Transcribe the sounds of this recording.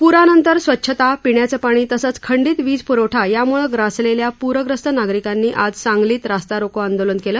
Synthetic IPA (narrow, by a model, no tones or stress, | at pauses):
puɾanənt̪əɾsʋətːɕʰət̪apiɳjat͡səpaɽ̃iːt̪əsət͡skʰəɳɖiːt̪ʋiːd͡zpuɾəwʈʰajamuɭəɡɾasleljapuɾʋəɡɾəst̪ʰənaɡɾikanːiːʔad͡zsãŋɡliːt̪ɾast̪aɾokoand̪olənkeləː